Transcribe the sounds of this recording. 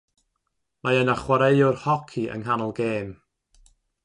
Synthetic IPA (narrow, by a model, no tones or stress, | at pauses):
majənaχwaɾejʊrhɔkʰiʔə̰nɦanɔlˠɡeːm